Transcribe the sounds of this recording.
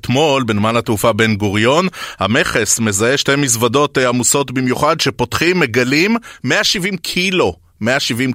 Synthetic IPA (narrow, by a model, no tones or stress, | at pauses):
t̪mo̞lbenmanatufabe̞nɡoʁjo̞nha̰me̞χe̞sme̞zae̞ʃtemis̬vado̞teamuso̞tbimjuχadʃe̞po̞tχimːe̞ɡalimːeaʃivimkʰilo̞ | meaʃivim